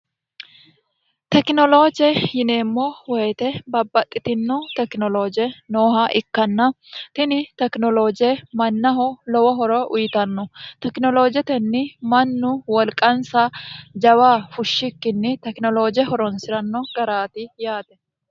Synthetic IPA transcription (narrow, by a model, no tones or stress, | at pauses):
t̪ɛknɔloːd͡ʒɛjɪneːmːɔwɛjt̪ɛbɐbːɐt̪ʼːɪt̪ɪnːɔt̪ɛknɔloːd͡ʒɪɛnoːɦɐʔɪkːɐnːɐ | t̪ɪnɪt̪ɛknɔloːd͡ʒɪɛmɐnːɐɦɔlɔwɐɦɔɾɔʔʊjɪt̪ɐnːɔt̪ɛknɔloːd͡ʒɛt̪ɛnːɪmɐnːʊwɐlkʼːɐnsɐd͡ʒɐwaːfʊʃːɪkːɪnːɪt̪ɛknɔloːd͡ʒɪɛhɔɾɔnsɪɾɐnːɔɡɐɾaːt̪ɪjaːt̪ɛ